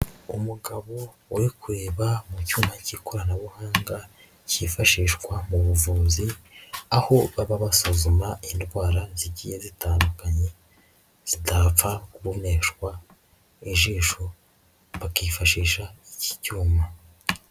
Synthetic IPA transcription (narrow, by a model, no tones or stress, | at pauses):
umuɡaβo̞ | wikuɾeːβamucuːmbaciko̞ɾanaβuhaːŋɡa | cifaʃiːʃkwamuβuvuːziaho̞βaβaβasozumaindɡwaːɾaziɟijezitaːndukaɲe̞ | z̥idap͡fakuβoneʃkwa | iʒiːʃo | βakiːfaʃiːʃaici̥cuːma